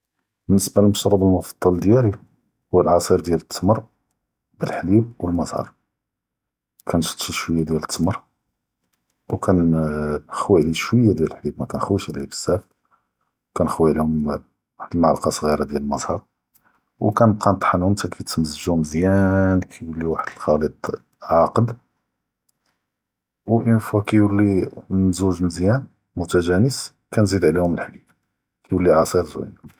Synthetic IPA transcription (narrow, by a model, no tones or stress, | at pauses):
bənːəsbaləlməʃɾˤɑb̪əlmʊfɑ̥d̪ˤːɑld̪jæli | huwːəlʕɑsˤiɾd̪jælət̪ʰːəməɾ | bəlħlib̚wəlmɑzˤhɑ̰ɾˤ | kʰænʃt̪ˤʃiʃwəjːad̪jælət̪ʰːməɾˤ | wkʰæn | xwæliʃwəjːad̪jæləħlibmækænxwiʃlibə̥sːæf | wkænxwiʕlihʊm | waħəd̪əlmaʕluqɑsˤɣiɾad̪jæləlmɑzˤhɑɾˤ | wkænəb̚qɑnt̪ˤħɑnʊmt̪ækʰæt̪məzəʒuməzjænkʰæjwəlːiwaħəd̪əlxɑlit̪ˤ | ʕɑqəd̪ | wʔənfukæjwəlːinzuʒmzjæn | mʊt̪æʒænəs | kænzid̪ʕlihʊməlħlib̚ | kæjwəlːiʕɑsˤiɾzw̰n